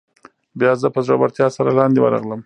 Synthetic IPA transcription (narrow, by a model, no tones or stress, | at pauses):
bjɑzəpəzɾobaɾt̪jɑsaɾalɑnd̪ewa̰ɾɑ̰ɣləm